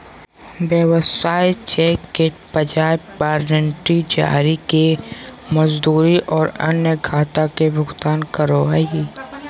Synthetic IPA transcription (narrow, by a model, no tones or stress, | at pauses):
bjəʋəsaːjt͡ʃɛːkːepəd͡ʒaːebpaːɾnəɳʈɾid͡ʒa̰ːɾikeməzd̪uːɾiʔɔːɾɐ̰njəɡʱaːt̪akebʊɡt̪aːnkəɾoaɦiː